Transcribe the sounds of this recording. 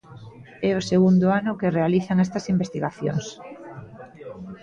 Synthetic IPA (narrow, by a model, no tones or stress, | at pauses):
ɛʊseɣund̪ʊanʊkɪrealiθaŋɛst̪ɐsimbest̪iɣaθjo̰ŋs